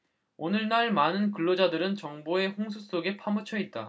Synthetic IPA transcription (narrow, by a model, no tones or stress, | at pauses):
onɯɭnaɭmanɯnkɯɭːod͡ʑadɯɾɯnt͡ɕʌŋboe̞ɸoŋs̬ʰus͈oɡe̞pʰamɯt͡ɕʰʌit̚t͈a̰